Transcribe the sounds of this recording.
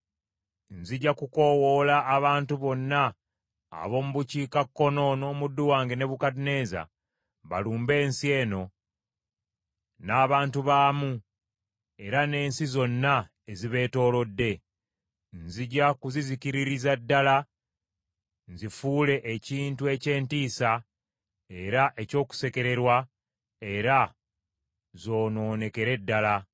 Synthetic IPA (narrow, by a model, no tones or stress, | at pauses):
nziɟːakuko̞wo̞laʔːβaːntuβo̞nːa̰ː | βo̞ːmuβuciːkakːo̞no̞no̞ːmudːuwaːŋɡene̞βukadine̞ːza̰ | βa̰luːmbe̞ːnsie̞ːno̞ | naːβaːntuβaːmu | e̞ɾane̞ːnsizo̞nːa | eziβe̞ːto̞ːlo̞dːe̞ | nziɟakuziziciɾiɾizadːala | nzifuːle̞ʔːciːntue̞ce̞ːntiːsa | e̞ɾaʔe̞co̞ːku̥se̞ke̞ɾe̞ɾwa | e̞ɾa | zo̞ːno̞ːne̞ke̞ɾe̞dːala